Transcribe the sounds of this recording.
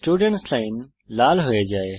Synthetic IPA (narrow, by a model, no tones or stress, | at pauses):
sʈuːɖəɳʈslaːɪn | laːlɦʊed͡ʒaːeː